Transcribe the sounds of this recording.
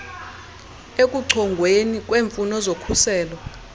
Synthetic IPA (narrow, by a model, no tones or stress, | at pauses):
ek̬ʼuǀʰɔŋɡʱwenik̬ʼweːɱfunɔzokʰusɛːlɔ